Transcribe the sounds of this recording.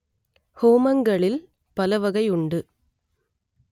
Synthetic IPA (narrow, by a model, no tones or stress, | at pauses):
hoːmɐŋɡɐɭɪl | pɐlɐʋɐɣɐɪʊɳɖɯ